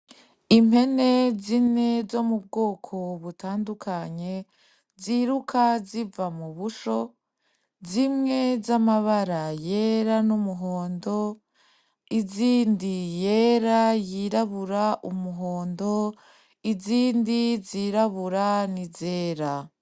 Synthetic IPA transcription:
imhe̞ne̞zine̞zo̞mub̚ɡoːkʰo̞βutaːndukʰaɲe̞ | ziɾukʰazivamuβuʃo̞ | zimŋe̞zamaβaɾaje̞ɾanumuɦo̞ːndo̞ | iziːndije̞ːɾajiɾaβuɾaʔumuɦo̞ːndo̞ | iziːndiziɾaβuɾanizeːɾa

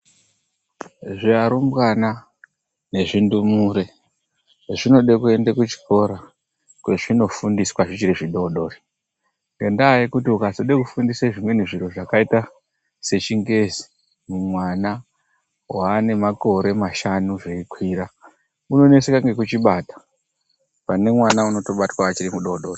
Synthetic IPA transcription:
ʐiaɾumbwana | ne̞ʐindumuɾe | ʐino̞ɗekue̞ndekut͡ʃi̥ko̞ɾa | kwe̞ʐino̞fundiswaʐit͡ʃiɾeʐiɗo̞ɗo̞ːri | ŋɡendaːikutiukazoɗekufundisaʐimwe̞niʐiɾo̞ʐakaita | se̞t͡ʃiŋɡe̞zi̥ | mumwana | waːne̞mako̞ɾe̞maʃanuʐeikwiːɾa | uno̞ne̞sekaŋɡe̞kut͡ʃiɓaːtḁ | pane̞mwanauno̞to̞ɓatwaat͡ʃiɾimuɗo̞ɗoːri

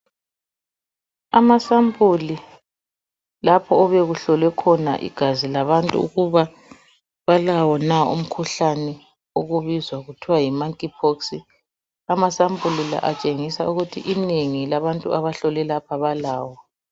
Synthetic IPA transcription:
amasampʼuli | lapʰɔɔβɛɣuɬɔlwɛkʰɔna̰ʔḭɡ̥ʱazilaβantʼṵṵɣuβa | βalawɔnaṵm̩kʰuɬanɛ | oɣuβizwaɣutʰiwajimaŋkʼipʰoksi | amasambulila̰ʔat͡ʃʼeŋisauɣutʰiʔineŋilaβantʼuaβaɬɔlɛlapʰaβalaːwɔ

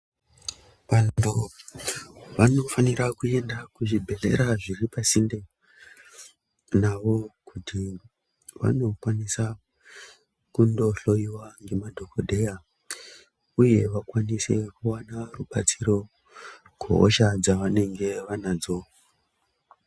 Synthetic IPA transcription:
ʋantʰu | ʋano̞faniɾakue̞ndakuʐibʱe̞ɮe̞̰ɾaʐiɾipasinde | naʋo̞kutʰi | ʋa̰no̞kwanisa | kundo̞ɬo̞iwaŋɡe̞madʱo̞kodʱe̞ja | uje̞ʋakwanise̞kuwanaruɓat͡siɾo̞ | ɡ̥ʱḛɦo̰ʃad͡zaʋane̞ŋɡe̞ʋanad͡zo̞

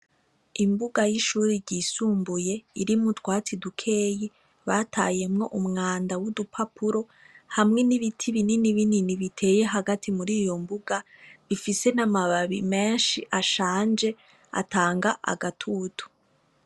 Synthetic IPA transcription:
imbuɡajiʃuːɾiɾɟiːsuːmbuje̞iɾimutwaːt͡sidukʰe̞ːji | βatʰa̰ːje̞mŋo̞ʔumŋaːndawudupʰapuɾo̞ | hamŋe̞niβitʰiβininiβininiβitʰe̞ːje̞ɦaɡatʰimuɾiːjo̞mbuɡaβifise̞namaβaβime̞ːnʃiʔaʃaːnd͡ʒe̞ | a̰taːŋɡaʔa̰ɡatʰuːtu̥

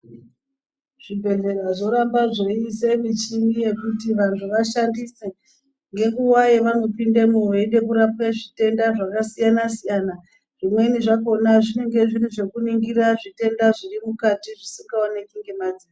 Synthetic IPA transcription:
ʐ̥ibʱe̞ɮe̞raʐo̞ɾambaʐo̞ise̞mit͡ʃimije̞kutiʋantʰuʋaʃandise | ŋɡe̞ŋɡuwajeʋanwepindemuweɗe̞kuɾapeʐite̞ndaʐakasijanasijana | ʐimwe̞iniʐako̞naʐineŋɡe̞ʐiriʐe̞kuniŋɡiɾaʐite̞ndaʐirimukatiʐisiŋɡaonekiŋɡe̞mad͡zina

